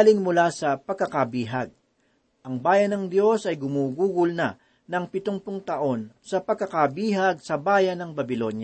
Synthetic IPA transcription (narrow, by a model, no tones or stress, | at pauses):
lɪŋmʊlasɐpɐɡ̚kːɐkɐbiːɦɐɡ̚ | ʔɐŋbaːjɐnɐŋd̪jo̞sɐjɡʊmuːɡuːɡʊlnɐ̰ | nɐŋpɪt̪oŋpʊŋt̪ɐʔo̞nsɐpɐɡ̚kːɐkɐbiːɦɐɡ̚sɐbaːjɐnɐŋbɐbɪlo̞nja